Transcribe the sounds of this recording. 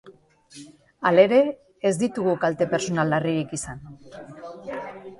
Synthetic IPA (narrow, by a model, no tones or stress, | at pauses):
ale̞ɾe̞ː | zd̪it̪uɣukalt̪e̞pe̞ɾsonalːariɾikisan